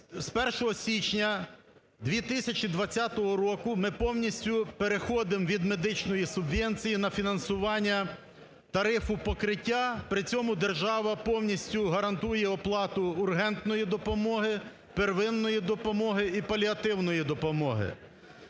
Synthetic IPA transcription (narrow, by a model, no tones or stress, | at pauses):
spɛrʃɔɦɔsʲit͡ʃnʲɐ | d̪ʋʲit̪ɪsʲɐt͡ʃid̪ʋɐt͡sʲːat̪ɔɦɔɾɔkʊmɪpɔwnʲisʲtʲʊpeɾexɔd̪ɪmʋʲid̪me̞d̪ɪt͡ʃnɔjisʊbʋʲɛnʲt͡sʲijinɐfʲinɐnsʊʋɑnʲːɐ | t̪ɐɾɪfʊpɔkɾɪtʲːapɾɪt͡sʲɔmʊd̪e̞rʒɑʋɐpɔwnʲisʲtʲʊɦɐɾɐnt̪ujɛɔplˠɑt̪ʊːrɦɛnt̪nɔjid̪ɔpɔmɔɦɪ | perʋɪnːɔjid̪ɔpɔmɔɦɪipɐlʲiɐt̪ɪwnɔjid̪ɔpɔmɔɦɪ̰